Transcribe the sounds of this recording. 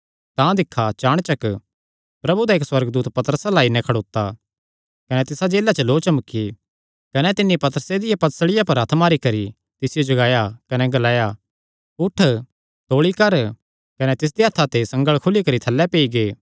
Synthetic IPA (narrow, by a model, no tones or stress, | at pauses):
t̪ãd̪ɪkʰːat͡ʃaːɽ̃t͡ʃɐk | pɾɐbud̪aeːkswɐɾɡd̪uːt̪pɐt̪əɾəsalaːinɛ̃kʰɐɽoːt̪ːa | kɐnɛt̪ɪsad͡ʒeːlat͡ʃəloːt͡ʃɐmkʰːi | kɐnɛt̪ɪnːipɐt̪əɾəsed̪ɪjapɐt̪səɽɪjapɐɾɐt̪ʰmaːɾikɐɾi | t̪ɪsɪjod͡ʒɐɡaːjakɐnɛɡɐlaːja | ʊʈʰ | t̪oːɭikɐɾ | kɐnɛt̪ɪs̬d̪iɦɐt̪ʰːat̪esɐ̃ŋɡəɭkʰʊlikɐɾit̪ʰɐlːɛpeːiɡeː